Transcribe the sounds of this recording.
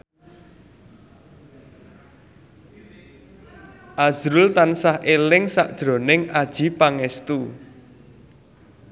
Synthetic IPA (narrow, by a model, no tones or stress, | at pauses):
ʔazɾʊlt̪ansahʔelɪŋsaʔd̥ʒ̥ɾo̤nɪŋad̥ʒ̥i̤paŋɛst̪u